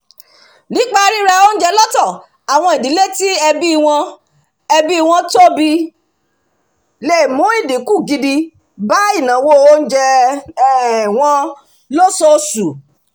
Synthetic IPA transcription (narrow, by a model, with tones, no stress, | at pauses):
nĩ˨˦k͡pa˦ɾi˦ɾa˧o˦n̩˦d͡ʒɛ˧lɔ˦tɔ˦˨ | a˨w̃ɔ̃˧i˨di˨˦le˦ti˦ɛ˧bi˦˧w̃ɔ̃˧ | ɛ˧bi˦i˦˧w̃ɔ̃˧to˦˨bi˧˦ | le˦˨mõ˨˦i˦˨di˨˦ku˦˨ɡi˧di˧ | ba˨˦i˦˨nã˨˦wo˦o˦n̩˦d͡ʒɛ˧˦˨ | w̃ɔ̃˧ | lo˦sɔ˧su˨